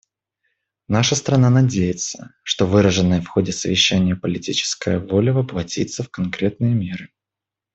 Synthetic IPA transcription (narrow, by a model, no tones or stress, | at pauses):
naʂəst̪ɾɐnanɐdʲejɪt̪sə̥ʂt̪o̞vɨɾəʐɨnːəjəfxo̞dʲɪsəvʲɪɕːænʲɪjəpəlʲɪtʲit͡ɕɪ̥skəjəvo̞lʲəvəplˠɐtʲit̪səfkɐnkɾʲe̞t̪̚nɨjəmʲe̞ɾɨ